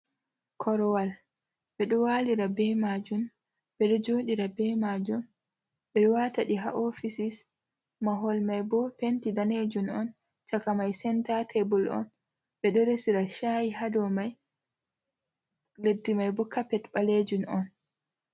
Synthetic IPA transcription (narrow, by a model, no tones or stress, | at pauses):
kʰɔɾɔwal | ɓɛɗɔwaːliɾabɛmad͡ʒum | bɛɗɔd͡ʒoːɗiɾabɛmad͡ʒum | ɓɛɗɔwataɗiɦa̰ʔɔfisis | maɦɔlmajbɔpentidaned͡ʒunɔn | t͡ʃakamajsɛntatʰebulɔ̰n | bɛɗɔɾesiɾaʃajiɦadɔmaj | ledːimajbɔkapɛtɓaled͡ʒunɔn